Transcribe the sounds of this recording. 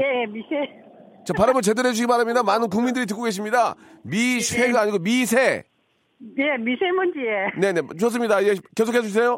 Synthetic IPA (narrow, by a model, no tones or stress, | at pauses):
jejemisʰe | t͡ɕapaɾɯmʌɭt͡ɕe̞dɯɾɦed͡ʑuɕʰiɡipaɾamɲidamanɯnk̬uŋmindɯɾit̬ɯk͈oɡe̞ɕ̬ʰimɲida | misʰeɡaaːɲiɡomisʰe̞ | nemisʰemʌnd͡ʑiene̞ne̞uʌs̬͈ɯmɲidaiɡekesʰokʰesuɕis̬ʰejo